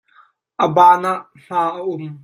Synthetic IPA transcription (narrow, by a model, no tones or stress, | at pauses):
ʔəbaːnaʔ | ɬaːʔəʔʊm